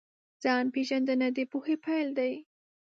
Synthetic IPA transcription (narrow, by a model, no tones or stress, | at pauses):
z̥ɑnpeʒand̪ənad̪epohepajld̪aj